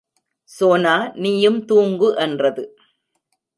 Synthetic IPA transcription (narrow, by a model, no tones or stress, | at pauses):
soːnaːniːjɯmt̪uːŋɡɯʔɛndrɐðɯ